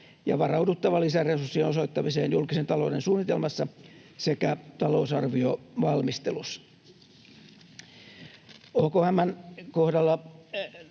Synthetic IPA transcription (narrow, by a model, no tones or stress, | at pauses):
jɑ̰ʋɑrɑudut̪ːɑʋɑlːisæresursːino̞soit̪ːɑmiseːnjulkisent̪ɑloudensuːnːit̪elmɑsːɑsekæt̪ɑlousɑrʋioʋɑlmist̪elusːɑ̥ | okohæmːænkohdɑlːɑ